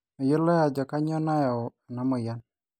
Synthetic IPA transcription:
ɔ˨jʊ˦lɔ˦ja˨d͡ʒɔ˨ka˦ɲɔ˦na˦ja˨ɔ˨a˨na˨˦mɔ˨ja˦n

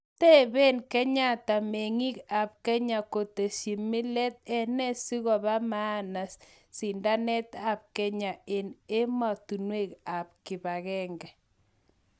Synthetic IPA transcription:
tɛ˦βe˦nkɛ˦ɲa˦˨t̪a˨me˨ŋi˦ka˨p̚kɛ˦ɲa˨ko˨t̪e˨ʃi˨mi˦lɛ˦t̪̚ɛ˦nɛ˦si˦ɣɔ˨βa˦ma˦na˨s | si˨nda˦nɛ˦t̪a˨p̚kɛ˦ɲa˨e˨ne˦ma˨t̪u˨nwe˦˨ka˨p̚kɪ˨βa˨ɣɛ˦ŋɡɛ˨

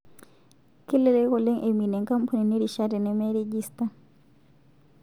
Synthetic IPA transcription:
ke˦le˨ɾe˦kɔ˨lɛ˦ŋʔe˨mi˨nɛ˨ŋka˦mpʰa˨ni˨ne˦ɾiʃaɾɛ˨nɛmeɾe˦d͡ʒista

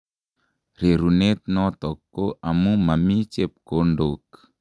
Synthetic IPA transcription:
ɾe˨ɾu˨ne˦t̪̚nɔ˦t̪ɔ˨kːo˦ʔa˨mu˦ma˨mi˦t͡ʃe˦p̚ko˨˦ndok

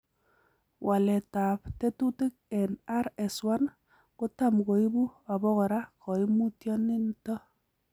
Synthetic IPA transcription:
wʔa˨lɛ˨ta˨pte˦tu˦tɪ˦k̚ɛ˨na˦ɾɛ˨swa˦n | kʊ˦ta˦mko˨i˦bu˦a˨bɔ˦kɔ˨ɾa˦kʰɔ˨i˦mu˦tjɔ˦ni˦ntɔ˦

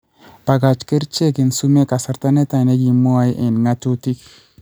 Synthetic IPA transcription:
pa˨ɡa˨t͡ʃke˦ɾt͡ʃe˦ki˨nsu˦me˦ka˨sa˨ɾt̪a˦ne˦t̪a˨ne˦ɡi˨mu˦a˦jʔe˨nŋa˦tu˦ti˦k

